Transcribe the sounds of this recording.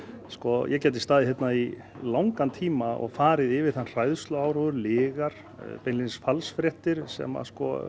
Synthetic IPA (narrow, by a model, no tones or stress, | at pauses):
skɔjʔɛcɛːt̪̬ɪst̪aːðɪçjɛt̪nai | lawŋkant̪ʰiːmaɔ̰ɣfaːɾɪðɪvɪðθanr̥ajðst̪lœaːwɾɔːðʏɾlɪːɣaɾ̥ | pejnlinɪsfalsfɾɛht̪ɪɾ̥sɛ̰ma̰skɔ̰